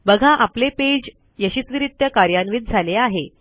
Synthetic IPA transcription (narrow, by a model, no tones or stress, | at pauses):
bəɡʱãʔapleped͡ʑ | jəɕisʋiɾit̪jəkaɾjanʋit̪̚d͡zʱaleaɦe